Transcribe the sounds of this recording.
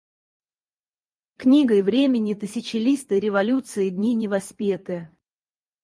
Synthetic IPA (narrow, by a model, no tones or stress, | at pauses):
knʲiɡəjvɾʲemʲɪnʲɪt̪ɨsʲɪt͡ɕɪlʲist̪ɨɾʲɪvɐlʲut̪sɨɪd̪ʲnʲinʲɪvɐsʲpʲet̪ɨjə